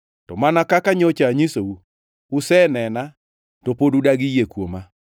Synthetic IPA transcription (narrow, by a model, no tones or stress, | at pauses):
tɔmanakakaɲɔt͡ʃaɲisou | usɛnɛna | topodudaɡijekwoma